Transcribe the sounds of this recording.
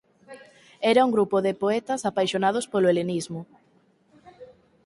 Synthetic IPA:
ɛɾauŋɡɾupoðɪpoɛt̪ɐsapajʃonað̞ospoloelenizmʊ

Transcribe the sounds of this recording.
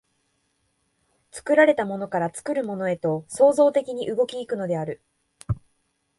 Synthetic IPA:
t͡sɨ̥kɯ̟ɾaɾe̞t̪amo̞no̞kaɾat͡sɨ̥kɯ̟ɾɯ̟mo̞no̞e̞t̪o̞so̞ːzo̞ːt̪e̞kʲiɲ̟iʔɯ̟ɡo̞kʲiːkɯ̟no̞d̪e̞aɾɯ̟

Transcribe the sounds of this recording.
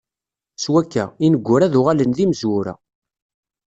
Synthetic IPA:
swækːæ̰inəɡʷːʊɾæðʊʁalənðiməzwʊɾæ̰

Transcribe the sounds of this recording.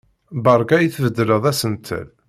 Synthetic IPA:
bəɾˤɡæjiθvəd̪ːɾəðˤæsənt̪ʰə̰l

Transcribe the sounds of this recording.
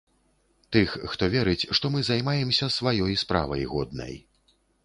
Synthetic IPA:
t̪ɨxxt̪ɔvʲɛɾɨt͡sʲʂt̪ɔmɨzajmajɛmsʲɐsvajɔjspɾa̰vɐ̰jɣɔd̪nɐ̰j

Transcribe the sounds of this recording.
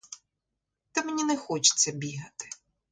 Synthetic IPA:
t̪ɐmenʲinɛxɔt͡ʃɪ̥t͡sʲːɐbʲiɦɐt̪ɪ̥

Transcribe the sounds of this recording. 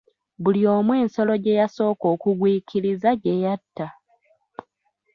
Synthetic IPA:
βulio̞ːmwe̞ːnso̞lo̞ɟe̞jaso̞ːko̞ːkuɡwiːkʰiɾizaɟe̞jatːa

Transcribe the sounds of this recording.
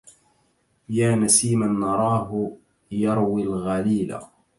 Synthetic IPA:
jaːnasiːmanːɑɾˤɑːɦʊ | jɑɾˤwilɣaliːla̰

